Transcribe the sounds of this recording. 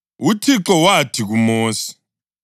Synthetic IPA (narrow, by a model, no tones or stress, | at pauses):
utʰiǁɔwatʰiɣumoːsi̥